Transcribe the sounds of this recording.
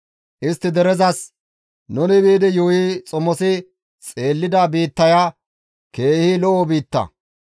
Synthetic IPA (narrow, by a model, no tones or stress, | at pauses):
ʔɪst̪ːɪd̪ɛɾɛzɐs | nʊnɪbiːd̪ɪjujit͡sʼɔmɔsɪ | t͡sʼe̞ːlːɪd̪abiːt̪ːɐja | ke̞ːhiːlɔʔobiːt̪ːɐ̰